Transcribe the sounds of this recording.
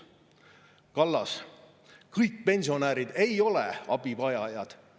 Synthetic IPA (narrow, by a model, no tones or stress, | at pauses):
kɑlːɑs | kɤjk̚pe̞nʲsio̞næːɾid̪e̞jo̞lḛɑ̰bipɑjɑjɑd̪̥